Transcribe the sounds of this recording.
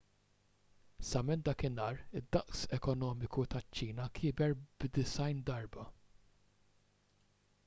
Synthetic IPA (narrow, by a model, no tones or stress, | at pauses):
sɐmɛnt̪̚d̪ɐːkɪnɐːɾɪd̪ːɐʔsɛkɔnɔːmɪkut̪ɐt͡ʃːiːnɐkʰɪːbɛɾbd̪ɪsɐjnd̪ɐɾbɐ